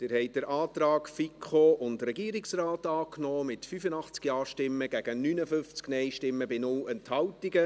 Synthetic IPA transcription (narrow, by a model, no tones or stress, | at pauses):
d̥ɪɾhɛɪdəɾʔɑːt̪rɑːkfikχoːʔʊndrɛɡiːɾiksraːtɑːknɔoːmɪtfyfənɑχt͡skiɑːʃtɪmːəɡ̥æɡ̥ənyːnəfʏft͡sknɛɪjʃtɪmːəbɪnʊlɛnthɑwtiɡə